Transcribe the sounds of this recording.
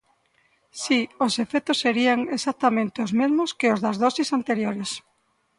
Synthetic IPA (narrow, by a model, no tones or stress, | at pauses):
siosefɛt̪osːeɾiaŋesat̪amẽnt̪eozmezmoskeozðazðɔsisant̪eɾjoɾes